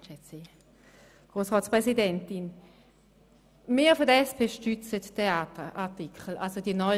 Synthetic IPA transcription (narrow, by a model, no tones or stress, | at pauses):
ʃɛt͡si | ɡ̥ʁoːsʁɔːtspʁɛsidɛntin | miːɐfoɐdəɛspʰeːʃtyt͡səttʰːeaːtəʔaʁtikʰχəl̩alsodiənɔ